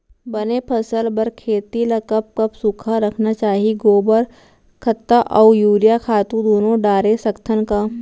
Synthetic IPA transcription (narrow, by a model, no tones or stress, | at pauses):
bɐnepʰɐsəlbɐɾkʰeːt̪ilɐkəp̚kɐpsukʰaɾɐkʰnat͡ʃaːɦiɡoːbəɾ | kʰɐt̪ːaʔɔːjuːɾjakʰaːt̪ũd̪oːnõɖaːɾesɐkt̪ʰənkaː